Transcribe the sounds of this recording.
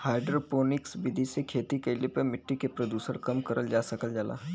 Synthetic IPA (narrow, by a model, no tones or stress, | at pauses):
haːɪɖɾəpoːnɪksbɪd̪ʱisekʰeːt̪ikɐɪlepəmɪʈːikepɾɐd̪juːsəɾkɐmkɐɾʔəld͡ʒaːsɐkəld͡ʒaːla̰ːɦ